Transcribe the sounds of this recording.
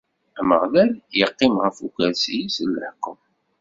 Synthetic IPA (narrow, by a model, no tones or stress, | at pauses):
æmə̰ʁlæɾjəqːɪmʁəfukæɾsijisəlːəħqːəm